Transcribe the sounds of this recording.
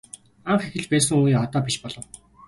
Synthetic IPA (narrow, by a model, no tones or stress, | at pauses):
aɴχexɘ̆ɮpæːs̬ɘ̆ŋuːjiːɔt̪aːpʲiʃpɔɮɞ̆w